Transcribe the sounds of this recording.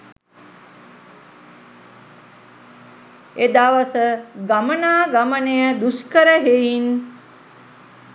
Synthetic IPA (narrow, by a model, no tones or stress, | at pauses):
ed̪aːʋasəɡamənaːɡamənejəd̪uskəɾəɦejin